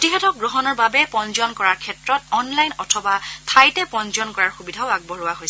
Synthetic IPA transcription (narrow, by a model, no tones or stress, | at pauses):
tiɦɛtɔk̚ɡɹɔɦɔnɔɹbabɛpɔnzɔnkɔɹaɹkʰɛtɹɔtɔnlajnɔtʰɔbatʰajtɛpɔnzɔnkɔɹaɹxubidʱaʊaɡ̚bɔɹʊaɦojs